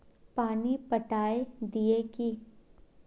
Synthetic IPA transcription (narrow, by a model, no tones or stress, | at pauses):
paːnipɐʈaːed̪ieki